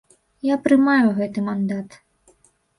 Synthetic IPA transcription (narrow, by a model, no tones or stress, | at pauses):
japɾɨmajuɣɛt̪ɨmand̪at̪